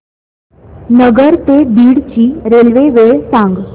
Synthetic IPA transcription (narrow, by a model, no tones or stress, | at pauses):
nəɡəɾt̪ed̪iːɽt͡ɕiːɾelʋeʋeɭsãŋɡ